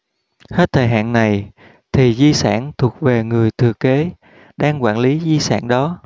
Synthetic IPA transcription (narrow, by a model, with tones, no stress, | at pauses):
he˦˥t̚t̪ʰəː˨˩jɦa̰ː˧˨nna˨˩j | t̪ʰi˨˩zi˧sa̰ː˧˩nt̪ʰu˨˩ək̚ve˨˩ŋɨ˨˩əjt̪ʰɨ˨˩əke˨˦ | ɗaː˧ŋkwa̰ː˧˩nli˨˦zi˧sa̰ː˧˩˨nɗɔ˨˦